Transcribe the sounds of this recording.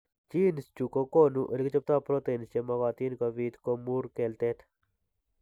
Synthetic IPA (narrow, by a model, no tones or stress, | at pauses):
t͡ʃiːnst͡ʃukokoːnuʔəlkt͡ʃɐp̚t̪aːpɾoːt̪eːnst͡ʃemɐɣaːt̪iːnkaʋiːd̪komuːɾkeːlt̪eːt̪ʰ